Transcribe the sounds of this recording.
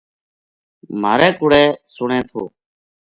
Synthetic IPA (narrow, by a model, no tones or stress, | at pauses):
m̤aːɾɛːkʊɽɛːsʊɳɛ̃ːt̪ʰo̰ː